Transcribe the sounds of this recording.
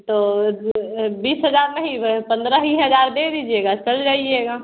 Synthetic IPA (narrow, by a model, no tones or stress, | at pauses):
t̪oː | biːsɦɐzaːɾnɐɦĩpɐ̃nd̪ɾaɦĩɦɐzaːɾb̪ed̪iːd͡ʒieːɡat͡ʃɐld͡ʒaːieːɡaː